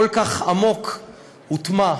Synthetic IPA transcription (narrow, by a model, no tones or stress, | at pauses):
olkaχamok | ut̪ma